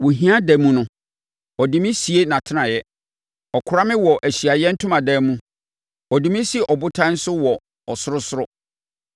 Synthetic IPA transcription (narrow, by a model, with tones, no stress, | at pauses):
wo˨ɦĩ˦a˦dɛ˨˦mũ˦nʊ̃˦ | ɔ˨di˨mɪ̃˦si˨e˦nã˨tʰɪ˦nã˨jɛ˦ | ɔ˨kʰʊ˨ɾa˦mɪ̃˦wɔ˨ʔæ˨ɕi˨a˨jɛ˦n̩˦tʰʊ̃˦mã˨dɛ˨˦mũ˦ | ɔ˨dĩ˨mĩ˦si˦˨ʔɔ˨bʊ˦tʰã˦n̩˦sʊ˦wɔ˨ | ɔ˨sʊ˦ɾʊ˦sʊ˦ɾʊ˦